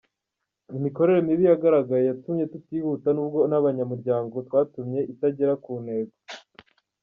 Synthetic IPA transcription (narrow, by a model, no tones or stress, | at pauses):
imiko̞ɾe̞ɾemiβijaɡaɾaɡajejatumɲe̞tutiːhutanuːbɡo̞naβaɲamuɾɟaːŋɡo̞twaːtumɲe̞ʔitaɟeɾakuːne̞ːɡo